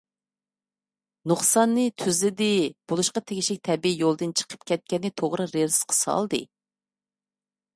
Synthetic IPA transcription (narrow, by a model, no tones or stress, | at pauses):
nuχsɑnːɨt̪ʰyzlɪd̪ɪb̥olˠuʃqɑt̪ʰeɡʲiʃɪk̚ʲt̪ʰɛbijolˠd̪ɨnt͡ʃʰə̥qʰə̥pkʲʰɛt̪̚kʲɛnːɨt̪ʰoʁɾɨɾeɾɨ̥sqʰə̥sɑ̰lˠd̪ɨ̰